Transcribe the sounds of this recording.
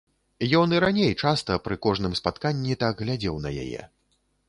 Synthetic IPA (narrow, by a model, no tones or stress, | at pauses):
jɔnɨɾanʲejt͡ʂast̪ɐpɾɨkɔʐnɨmspat̪kanʲːit̪aɡɣlʲad͡zʲɛwn̪ɐja̰jɛ̰